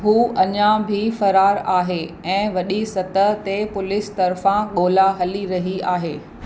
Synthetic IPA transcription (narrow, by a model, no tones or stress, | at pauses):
ɦuːʔɐɲãbʱifɐɾaːɾaːɦeːɛ̃ːʋɐɗisɐt̪əɦt̪epʊlɪst̪ɐɾfãɠoːlaɦɐliɾɐɦiaːɦeː